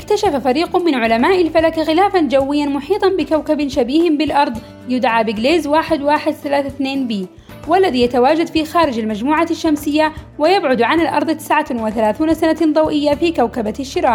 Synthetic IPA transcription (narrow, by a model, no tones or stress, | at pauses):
ʔɪkt̪aʃafafaɾiːqʊmɪnʕʊlamaːʔɪlfalakaxɪlaːfand͡ʒawːɪjːanmʊħiːt̪ˤɑnbɪkawkabnʃabiːhɪmbɪlʔɑɾˤðˤ | jʊd̪ʕabɪɡleːzwaːħɪd̪waːħɪd̪θalaːθaθneːnbiː | walːaðiːjat̪awaːd͡ʒad̪fixaːɾɪd͡ʒalmad͡ʒmuːʕaʃːamsɪjːawɪjabʕʊd̪ʕanalʔɑ̰ɾˤðˤt̪ːɪ̥sʕawɪθalaːθuːnasanand̪ˤɑwʔɪjːafiːkawkabaʃːɪɾaːʔ